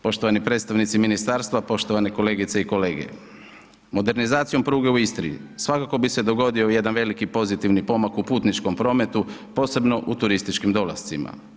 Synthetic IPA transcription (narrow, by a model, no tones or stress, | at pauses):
po̞ʃt̪o̞ʋanipɾed̪st̪aʋnit̪siminist̪aɾst̪ʋapo̞ʃt̪o̞ʋane̞ko̞le̞ːɡit̪seiko̞le̞ːɡḛ | mo̞d̪e̞ɾnizaːt̪sijo̞mpɾuːɡe̞uist̪ɾḭḭsʋakako̞bise̞d̪o̞ɡo̞d̪io̞je̞d̪anʋe̞likipo̞zit̪iʋnipo̞makupuːt̪nit͡ʃko̞mpɾo̞ːme̞t̪upo̞ːse̞bno̞ʔut̪uɾist̪it͡ʃkimd̪o̞lˠa̰st̪sima̰